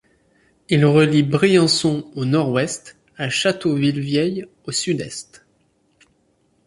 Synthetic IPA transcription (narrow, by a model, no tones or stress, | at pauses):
ilʁəlibʁijɑ̃sɔ̃onɔʁwɛst̪ | aʃat̪ovilvjɛj | osyd̪ɛst̪